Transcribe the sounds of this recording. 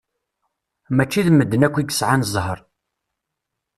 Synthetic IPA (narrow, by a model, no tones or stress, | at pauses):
mæt͡ʃːiðmːəd̪ːənækʷːiɡə̥sʕanəzˤɦəɾˤ